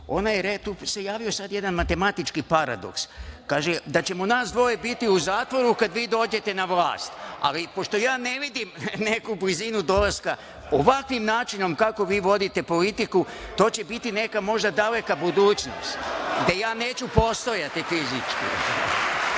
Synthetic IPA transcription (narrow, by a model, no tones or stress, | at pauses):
o̞najeɾet̪uːse̞jaːʋio̞sad̪je̞d̪anmat̪e̞mat̪it͡ʃkipaɾa̰d̪o̞̰kskaːʒed̪at͡ɕe̞monaːsd̪ʋo̞jebit̪iuzaːt̪ʋo̞ɾukad̪ʋiːd̪o̞ːd͡ʑe̞t̪e̞naʋla̰ːst̪a̰lipo̞ʃt̪o̞jaːne̞ʋid̪imne̞kublizinud̪o̞laska | oʋakʋimnaːt͡ʃino̞mkako̞ʋiːʋo̞d̪it̪e̞po̞lit̪ikut̪o̞ːt͡ɕe̞bit̪ine̞kamo̞ʒd̪ad̪ale̞kabud̪uːt͡ɕno̞̰st̪d̪ejaːne̞ːt͡ɕupo̞st̪o̞jat̪ifizit͡ʃkḭ